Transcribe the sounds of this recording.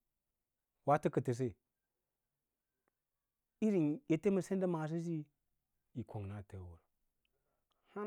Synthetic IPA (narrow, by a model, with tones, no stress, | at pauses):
wa˦tə˦kə˨tə˨s̬e˦˨ | i˦ɾi˨nje˨te˦mə˨se˦n˦da˦ma˨s̬i˦s̬i˦ | i˨ko˨ŋna˨tə˨˦wu˨ɾ | ha˦